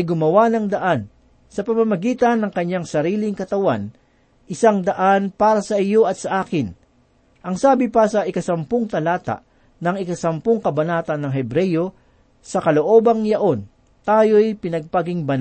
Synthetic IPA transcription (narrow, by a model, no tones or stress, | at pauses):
ɐjɡʊmɐwanɐŋd̪ɐʔan | sɐpɐmɐmɐɡiːt̪ɐnːɐŋkɐɲːaŋsɐɾiːlɪŋkɐt̪ɐwan | ʔɪsaŋd̪ɐʔanpaːɾɐsɐʔɪjo̞ɐt̪̚sɐʔaːkɪn | ʔɐŋsaːbɪpɐsɐʔɪkɐsɐmpoŋt̪ɐlaːt̪a̰ʔ | nɐŋɪkɐsɐmpoŋkɐbɐnaːt̪ɐnːɐŋɦɛbɾɛjo̞ | sɐkɐloʔo̞ːbɐŋjɐʔo̞n | t̪aːjo̞jpɪnɐɡ̚paɡɪŋbɐna